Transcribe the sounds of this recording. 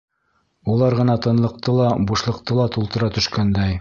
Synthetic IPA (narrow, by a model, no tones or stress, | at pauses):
ulˠɑɾʁɤ̆nɑt̪ɤ̆nlˠɤ̆q̚t̪ɤlˠɑbuʃlˠɤ̆q̚t̪ɤlˠɑt̪ulˠt̪ɤ̆ɾɑt̪ɵ̆ʃkænd̪æj